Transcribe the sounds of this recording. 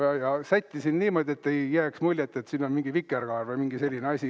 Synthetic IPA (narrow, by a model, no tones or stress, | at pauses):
ɑjɑsæt̪ʲːisinniːmo̞d̪ʲie̞t̪ːejːæːksmulʲjet̪ːˑet̪siːnːo̞nmiŋɡ̥ivikːˑerɡ̥ɑːɾvɑjmiŋɡ̥ise̞lʲːineɑsʲi